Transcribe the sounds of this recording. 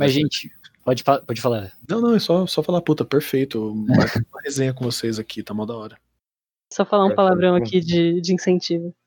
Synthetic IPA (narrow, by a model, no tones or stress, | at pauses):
mɐzʒẽt͡ʃɪ̥pɔd͡ʒɪfalapɔd͡ʒɪfalanɐ̃w̃nɐ̃w̃ɛsɔsɔfalaput̪ɐpeɾfejt̪ʊãɐhezẽɲɐkõvosejzakʲʰit̪amawd̪ɐɔɾɐ | sɔfalaũpalavɾɐ̃w̃akid͡ʒɪd͡ʒɪĩsẽt͡ʃivɐ